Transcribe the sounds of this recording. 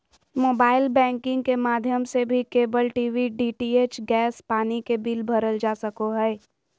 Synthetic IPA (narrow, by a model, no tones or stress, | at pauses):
moːbaːɪlbɛ̃ːŋkɪ̃ŋɡkemaːd̪ʱjəmsebʱikeːbəlʈiːʋiɖiːʈiːeːt͡ʃɡɛːspaːnikebiːlbʱɐɾəld͡ʒaːsəkoɦɛː